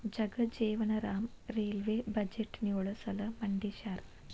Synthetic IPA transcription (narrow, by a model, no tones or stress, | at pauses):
d͡ʒɐɡɐd͡ʒeːʋɐɳɐɾaːm | ɾeːlʋeːbɐd͡ʒeʈːnjuːɭɐsɐlɐmɐɳɖiʃaːɾ